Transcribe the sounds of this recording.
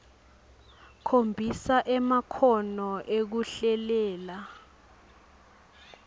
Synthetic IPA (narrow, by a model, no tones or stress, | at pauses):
kʰombʱisaʔɛmakʰɔnɔʔek̬uɬɛlɛːla